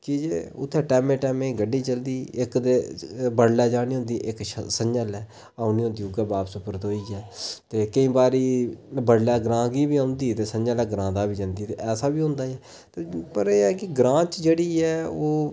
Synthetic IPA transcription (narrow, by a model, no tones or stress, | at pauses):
kɪd͡ʒḛːʊt̪ʰːɛːʈɛːmẽːʈɛːmẽːɡəɖːiːt͡ʃəld̪iːɪkd̪eːbəɽlɛːd͡ʒaːɽ̃iːɦʊ̃nd̪iːʔɪkʃsəɲd͡ʒəlɛː | aːʊnĩːɦʊ̃nd̪iːʊɡɛːbaːpsʊpəɾt̪ɦoːiːɛːt̪eːkəĩːbaːɾiːbəɽlɛːɡɾãːɡiːbiːãnd̪iːt̪eːsəɲd͡ʒəlɛːɡɾãːd̪aːbiːd͡ʒə̃nd̪iːt̪eʔɛːsaːbiːɦʊ̃nd̪aːɛː | t̪eːpəɾeːɛːkɪɡɾãːt͡ʃd͡ʒeːɽiːɛːoː